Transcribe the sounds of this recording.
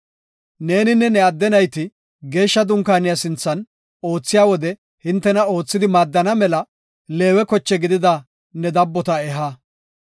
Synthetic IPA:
ne̞ːnɪnːɛnɛɐd̪ːɛnɐjt̪ɪ | ɡe̞ːʃːɐd̪ʊŋkaːnɪjɐsɪnt͡sːɐn | o̞ːt͡sːɪjaːwɔd̪ɛ | hɪnt̪ːɛnɐo̞ːt͡sːɪd̪ɪmaːd̪ːɐnɐmɛlɐ | le̞ːwɛkɔt͡ʃːɛɡɪd̪ɪd̪ɐ | nɛd̪ɐbːɔt̪ɐɛɦa

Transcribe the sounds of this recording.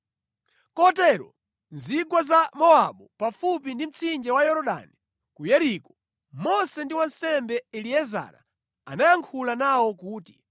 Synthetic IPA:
kɔtɛɾɔ̰ | nzikwazamɔaɓupafupindim̩t͡sʰind͡ʒɛwajɔɾɔɗa̰ni | kujɛɾikɔ | mɔsɛndiwansɛmbɛɛliɛza̰na̰ | anajaŋkʰulanawɔkuːti

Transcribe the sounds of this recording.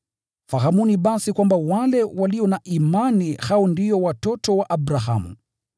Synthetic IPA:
fahamuniɓasikwambawalɛwaliɔnaʔimanihaɔndijɔwatɔtɔwaʔaɓɾaha̰mṵ

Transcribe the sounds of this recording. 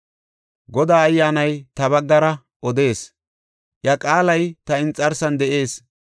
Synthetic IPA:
ɡɔd̪aːɐjːaːnɐjt̪ɐbɐɡːɐɾɐ | ʔɔd̪e̞ːs | ʔjɐkʼaːlɐjt̪ɐɪnt͡sʼːɐɾsɐnd̪ɛʔe̞ːs

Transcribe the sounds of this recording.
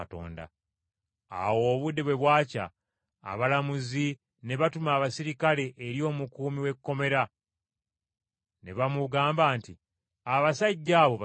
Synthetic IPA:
to̞̰ːnda̰ | a̰wo̞ːβudːe̞βwe̞βwaːca̰ː | βalamuzi | ne̞βatumaːβasiɾikale̞ʔeɾjo̞ːmukuːmiwe̞kːo̞me̞ɾa | ne̞βamuɡaːmbaːnti | aβasaɟːaːβo̞β

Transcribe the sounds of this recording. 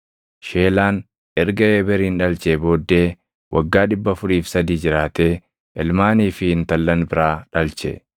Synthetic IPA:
ʃe̞ːlaːn | ʔɛɾɡɐeːbɛɾiːnᶑɐlt͡ʃeːbo̞ːd̪ːe̞ː | wʔɐɡːaːᶑɪbːɐfʊɾiːfsɐd̪iːd͡ʒɪɾaːt̪eː | ʔɛlmaːniːfɪhɪnt̪ɐlːɐnbɪɾaːᶑɐlt͡ʃɛ̰

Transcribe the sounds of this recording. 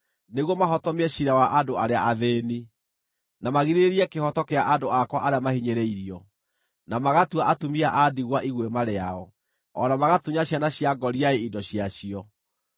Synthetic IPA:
neɣwɔmaɦɔtɔmeɛɕiɾawaʔadoaɾeaʔaðeːni | namaɣiɾeɾiɛkehɔtɔkeaʔadoakwaʔaɾeamahiɲeɾɛiɾiɔ | namaɣatuaʔatumiaʔadiɣwaʔiɣwemaɾeaɔ | ɔnamaɣatuɲaɕjanaɕiaɡɔɾiaeidɔɕiaɕiɔ

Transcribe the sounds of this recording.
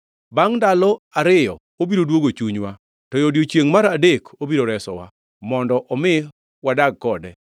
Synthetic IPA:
baŋndalɔaɾɪjɔ̰ | obiɾodwoɡot͡ʃuɲwa | tɔjodjot͡ʃjeŋmaɾadekobiɾoɾɛsɔ̰wa̰ | mɔndɔʔɔmɪ | wadaɡ̚kɔdɛ

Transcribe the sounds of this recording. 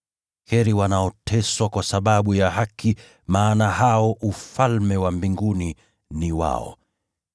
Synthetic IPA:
hɛɾiwanaɔtʰɛswakwasaɓaɓujaɦakʰi | maːnaɦaɔʔufalmɛwambiŋɡuni | niwa̰ɔ̰

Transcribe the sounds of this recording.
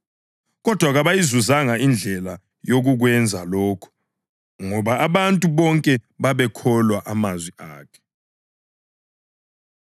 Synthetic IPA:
ɣɔd̥ʱwaɣaβajizuzaŋaind͡ɮʱɛla | joɣ̬uɣ̬wɛnd͡zʱalɔːkʰɔ̥ | ŋɔβaːβantʼuβɔŋkʼɛβaβɛkʰɔlwaʔamazwiaːkʰɛ̥

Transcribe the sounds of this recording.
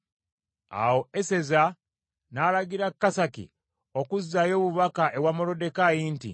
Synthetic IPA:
a̰wo̞ese̞za | nalaɡiɾakːasakḭ | okuzːajo̞ːβuβakaʔe̞wamolo̞de̞kajintḭ

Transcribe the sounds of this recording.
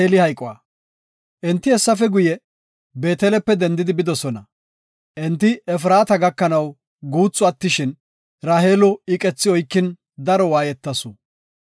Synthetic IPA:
elɪhɐjkʼɔaː | ʔɛnt̪ːɪɛsːɐfɛɡʊjɛ | be̞ːt̪ɛːlɛpːɛd̪ɛnd̪ɪd̪ɪbɪd̪ɔsɔnɐ | ʔɛnt̪ːɪɛf̬ɾaːt̪ɐɡɐkːɐnɐw | ɡuːt͡sʼːʊɐt̪ːɪʃɪn | ɾaːɦeːlɔɪkʼɛt͡sːɪɔjkːɪn | d̪ɐɾɔwaːjɛt̪ːɐsʊ

